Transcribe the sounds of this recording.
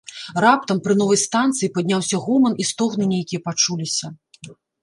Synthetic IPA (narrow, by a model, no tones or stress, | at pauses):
rap̚t̪ɐmpɾɨn̪ɔvɐjst̪ant̪sɨjipɐd̪ʲnʲawsʲɐɣɔmɐnʔist̪ɔɣnɨnʲejkʲijɐpat͡ʂulʲisʲɐ